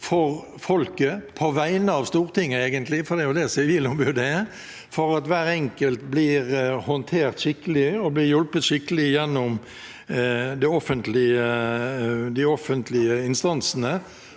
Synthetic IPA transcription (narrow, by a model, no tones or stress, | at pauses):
fɔʁ | fɔlkəpʰɔʋæɪnəɑʋst̪uːʁt̪ʰɪŋːəeːɡənt̪lɪfɔɾd̪ɛjʊd̪ɛsɛʋiːlɔmbʉd̪ə | fɔɾɑt̪ʋæːɾɛŋkəlt̪blɪʁhɔnt̪ʰeːʁt̪ʃɪkːəlɪɔblɪɾjɔlpət̪ʃɪkːəlɪjɛnːɔm | d̪ɛɔfənt̪lɪə | d̪ɪɔfənt̪lɪəɪnst̪ɑnsnə